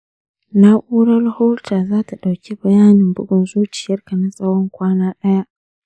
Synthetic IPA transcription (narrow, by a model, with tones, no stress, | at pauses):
na˦ʔuː˦ɽɐ˦rho˦rtaː˨zaː˦ta˨ɗa˨wkʲi˦bɐ˨jaː˦nɪ˨mbʊ̰˦ɡʷɔ˨nzuː˦t͡ʃɪ̥˨jɐ˦rka˨na˦sʼa˦wɽɔ˦ŋkʷaː˦naː˦ɗɐ˦ja˦ʔ